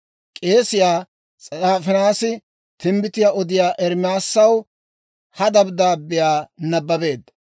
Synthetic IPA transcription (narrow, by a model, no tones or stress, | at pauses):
kʼe̞ːsɪjaː | t͡sʼaːfɛnaːsɪ | t̪ɪmbɪt̪ɪjaɔd̪ɪjaːʔɛɾmaːsːɐw | hɐd̪ɐbd̪aːbːɪjaːnɐbːɐbe̞ːd̪ɐ